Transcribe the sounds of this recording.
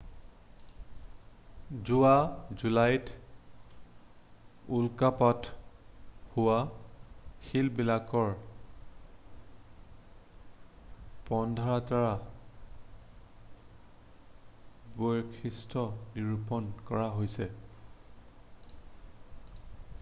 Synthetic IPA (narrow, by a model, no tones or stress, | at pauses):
zuazulajt | ulkapat | huwa | xilbilakɔɹ | pɔndʱɔɹataɹa | bojkʰistʰɔniɹupɔnkɔɹaɦojsɛ